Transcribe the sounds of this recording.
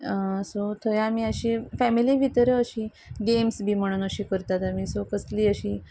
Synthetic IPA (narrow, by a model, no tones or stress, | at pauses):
sot̪ʰəjamiːəɕifɛmiliʋʱit̪ɾəəɕiː | ɡemsbʱiːm̤əɽ̃uːnəɕiːkəɾt̪at̪amiːsokəsliːəɕiː